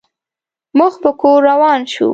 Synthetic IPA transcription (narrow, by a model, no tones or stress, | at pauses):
muxpəkoɾːawɑnʃṵ